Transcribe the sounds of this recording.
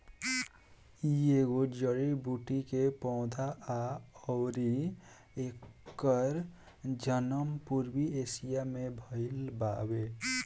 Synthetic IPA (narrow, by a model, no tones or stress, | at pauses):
ieɡod͡ʒəɾibuʈikepɔ̃ːd̪ʱaaɔʊɾi | ekːəɾ | d͡ʒənəmpuɾbiesijamebʱəɪlbabe